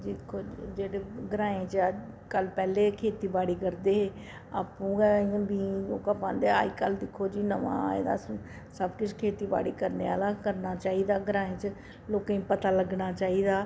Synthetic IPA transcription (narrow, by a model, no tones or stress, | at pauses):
d͡ʒɪkʰoːd͡ʒeːɽeːɡɾaːẽːt͡ʃə | kəlpɛːleːkʰeːt̪iːbaːɽiːkəɾd̪eːɦeː | a̰ːpũːɛãbĩːoːkaːpã̰ːnd̪ea̰ːiːkəld̪ɪkʰːoːd͡ʒiːnəʋã̰ːḛːd̪a̰ːs | səbkʊt͡ʃʰkʰeːt̪iːba̰ːɽiːkəɾneːa̰ːlaːkəɾnaːt͡ʃaːiːd̪aːɡəɾãːẽːt͡ʃə | loːkãĩːpət̪aːləɡnaːt͡ʃaːiːd̪aː